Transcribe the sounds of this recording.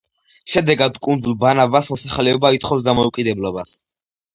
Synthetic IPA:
ʃɛd̪ɛɡad̪kʼund̪zulˠbanavasmɔsaχlɛɔbait̪χɔfs̬d̪amɔukʼid̪ɛblˠɔbas

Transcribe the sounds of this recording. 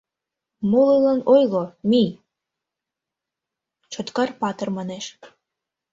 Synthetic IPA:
mulilɑnojlomi | t͡ɕot̪kɑrpɑt̪ə̆rmɑneʃ

